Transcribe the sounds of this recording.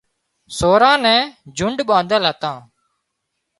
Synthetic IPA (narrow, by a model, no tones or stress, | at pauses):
soːɾãːnɛ̃ːd͡ʒʊɳɖɓãːnd̪əlɦət̪ãː